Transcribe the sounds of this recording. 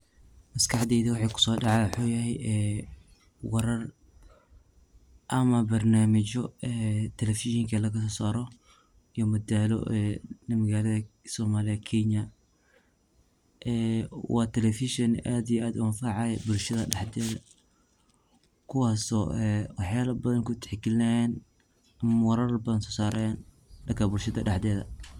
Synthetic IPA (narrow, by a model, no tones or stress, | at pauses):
mɐskʰɑħd̪ɛːðiwɑħɑːkʰʊ̥sɔːdɑʕɑːwħoːjɐɦɛjɛː | wɐɾɐr | ʔɐmɐbɐrnaːmɪt͡ʃɔɛt̪ʰɛlɛfɪʃɔŋkʰɐlɐɣɐsɔːsaːɾɔ | ijɔmɐd̪aːlɔ̰ʔɛːnɐmɐɣaːlɐðɐsɔːmaːlɪɐkʰɛɲɐ | ʔɛːwɑːt̪ʰɛlɛfɪʃɔnʔaːd̪ijɛʔaːd̪ʊwanfaʕɑjbʊlʃɐðɐɖɑħd̪ɛːðɐ | kʰʊwɑːsɔʔɛwɑħjaːlɐbɐðɐnkʊt̪ʰħɪkɪlɪnɐjɛn | ɐmɐwɐɾɐrbɐðɐnsɔːsaːɾɛɛn | ɗɐkʰɐbʊlʃɐðɐ̰ɖɑħd̪ɛːðɐ̰